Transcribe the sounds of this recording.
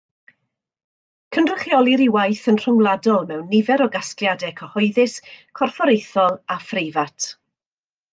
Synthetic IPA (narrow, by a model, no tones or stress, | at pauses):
kʰəndrəχjɔlˠiɾiwajθənr̥ʊŋlˠadɔlˠmɛwnːɪvɛɾɔɡasklˠjadɛkʰəhɔɨðɨskʰɔrfɔɾejθɔlˠafrejvatʰ